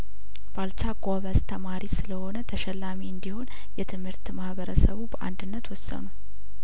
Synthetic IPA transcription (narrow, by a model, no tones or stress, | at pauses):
b̥alt͡ʃaɡaβəst̪ʰəmaɾisɨləho̞nət̪ʰəʃɛlːamiɨnd̪iho̞n | jɛt̪ʰɨmhɨɾt̪mahβəɾəsəβubəʔa̰nd̪ɨnːət̪wɔsːə̰nu